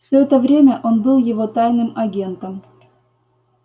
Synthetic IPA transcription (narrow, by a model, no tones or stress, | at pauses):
fsʲoɛt̪əvɾʲemʲəʔonbɨlˠjɪvot̪ajnɨmɐɡʲe̞nt̪əm